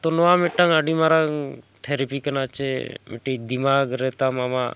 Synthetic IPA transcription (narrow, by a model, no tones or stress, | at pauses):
t̪onoʋameʈːaŋaɖimaɾaŋt̪ʰeɾipikənat͡ʃemiʈed̪imaɡɾet̪amama̰